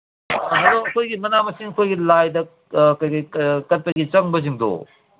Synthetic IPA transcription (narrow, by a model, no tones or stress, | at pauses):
ɦɐdoɐkʰojɡimɐnamɐsiŋɐkʰojɡilajdɐ | kɐjkɐjkɐt̚pɐɡit͡ʃɐŋbɐziŋdo̰